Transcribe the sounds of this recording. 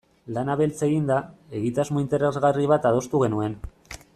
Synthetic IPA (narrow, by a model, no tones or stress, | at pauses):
lanaβe̞lt͡se̞ɣind̪ae̞ɣit̪azmoint̪e̞ɾe̞zɣariβ̞at̪að̞o̞st̪uɣe̞nue̞n